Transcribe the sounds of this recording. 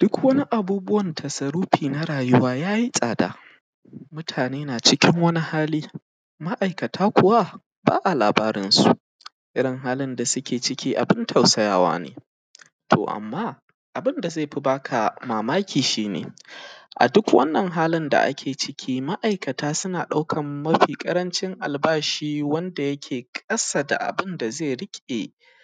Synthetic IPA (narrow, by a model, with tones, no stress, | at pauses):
d̥ʊ˦kwɐ˦ni˦ʔa˨buː˦bʊ˦wɐ˨ntʰɐ˨sɐ˨ɾuː˦ɸiː˨na˦ɾaː˨jʊ˦waː˦jaː˦ji˦sʼaː˨da̰ː˨ | mʊ˦tʰaː˨neː˦naː˨t͡ʃɪ˦kʲɪ˦ŋwɐ˦ni˦haː˦liː˦ | ma˦ʔa˨jkɐ˨tʰaː˦kʷʊ˨wa˦ | ba̰ː˦ʔa˨laː˨baː˦ɾɪ˦nsu˨ʔ | ʔɪ˦ɽɪ˨ŋɦaː˦lɪ˦nda˨sʊ˦kʲʰeː˨t͡ʃɪ˦kʲiː˦ʔa̰˨bɪ˦ntʰa˨wsɐ˦ja̰ː˦˨wa̰ː˦nḛː˨ | tʰo̰˨ʔa̰˨mːaː˦ | ʔa˨bɪ˦nda˨ze˦˨ɸi˦baː˦kʰa˨maː˨maː˦kʲʰiː˨ʃiː˦nḛː˨ʔa̰˨dʊ˦kwɐ̰˦nːɐ˨ŋɦaː˦lɪ˦nda̰˨ʔa̰˦kʲʰeː˨t͡ʃɪ˦kʲʰiː˦ma˦ʔa˨jkɐ˨taː˦sʊ˦naː˨ɗa˦wkʰɐ˨mːɐ˦ɸiː˨kʼɐ˦ɾɐ˦nt͡ʃɪ˦ŋʔa˨lbaː˦ʃiː˦wɐ˦nda˨jɐ˦kʲʰeː˨kʼɐ˦sa˨da̰˨ʔa̰˨bɪ˦nda˨ze˦˨ɽɪ˦kʲʼe˨